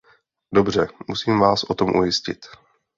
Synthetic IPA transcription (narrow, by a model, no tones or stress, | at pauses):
dobr̝ɛmusiːmvaːsʔo̞t̪o̞mʔṵjɪscɪ̰t̪